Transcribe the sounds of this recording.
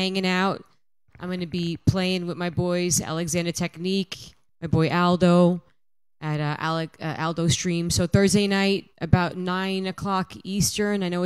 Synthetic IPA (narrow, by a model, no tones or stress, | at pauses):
æ̃ŋɪ̃ŋaʊt | ãɪ̃mɡʌnɨbipʰl̥eɪɪ̃ŋwɨðmaɪbɔɪzæ̰lˠɨɡzæ̃ndə˞tʰɛknik | maɪbɔɪʔælˠdoʊ | ʔɨɾʌʔæ̰lˠɨʌʔælˠdoʊstɹ̥ĩmsoʊθɜ˞zdeɪnaɪɾʔɨbaʊtⁿnãɪ̃nɨkʰl̥ɑkistə˞naɪnoʊ